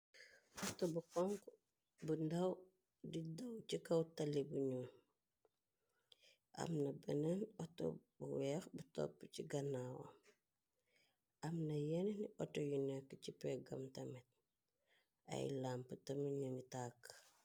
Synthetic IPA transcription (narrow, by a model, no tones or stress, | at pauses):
ʔɔtɔbukɔŋk | bundɐw | didɐwcikɐwtɐlibuɲuːn | ʔɐ̰mnɐbɛnɐnɔtɔ̰buwɛxbutɔ̰pːciɡɐnaːwɐ̰ | ɐmnɐjɛnniɔtɔjunɛkːət͡ʃipɛɡɐ̰mtɐmɛt̚ | ɐ̰jlampətɐməɲunitaːkː